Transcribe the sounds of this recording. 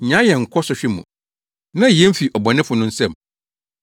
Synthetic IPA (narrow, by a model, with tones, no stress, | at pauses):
ɲã˨˦jɛ˨ŋ̩˨kʰɔ˦sɔ˨ɕᶣi˦mṵ̃˨ | nã˦˨ɛ̃˦m̩˦fi˨ʔɔ˨bɔ˨nɪ̃˦fʊ˨nʊ̃˦n̩˦sɛ̃˦˨m